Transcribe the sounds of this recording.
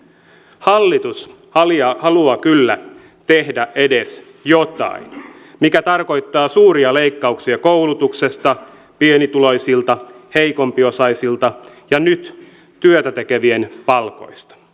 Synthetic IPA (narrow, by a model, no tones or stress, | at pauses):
hɑlːit̪us | hɑlɑhɑluɑkylːæ | t̪ehdæʔe̞de̞s | jo̞t̪ɑ̰in | mikæt̪ɑrko̞jt̪ːɑːsuːɾiɑle̞jkːɑuksiɑkoulut̪ukse̞st̪ɑ | pienit̪ulo̞jsilt̪ɑhejko̞mpio̞sɑjsilt̪ɑ | jɑnyt̪ː | yøt̪æt̪eke̞ʋie̞npɑlko̞̰jst̪ɑ̥